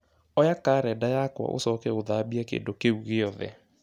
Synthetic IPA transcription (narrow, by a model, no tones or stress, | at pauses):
ɔjakaːɾɛdajakwa̰ʔo̰sɔkɛoðabiɛkḛːndokeuɣeɔðɛ̰